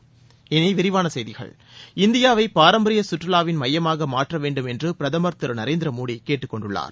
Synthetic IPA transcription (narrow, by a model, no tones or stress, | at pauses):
ɛnɐɪʋɪɾɪʋaːnɐsɛjðɪɣɐ̰ɭ | ɪnd̪ɪjaːʋɐɪpaːɾɐmbɐɾɪjɐsʊʈrɐlaːʋɪnmɐjːɐmaːɣɐmaːʈrɐʋeːɳɖɯmɛndrɯpɪɾɐðɐmɐɾt̪ɯɾnɐɾeːnd̪ɾɐmuːɽikeːʈːɯkːɔɳɖɯɭːa̰ːɾ